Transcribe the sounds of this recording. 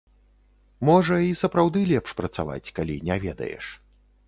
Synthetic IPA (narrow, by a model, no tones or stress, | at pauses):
mɔʐɐisɐpɾawd̪ɨlʲɛpʂpɾɐt̪sa̰va̰t͡sʲkalʲinʲɛvʲɛd̪ɐ̰jɛ̰ʂ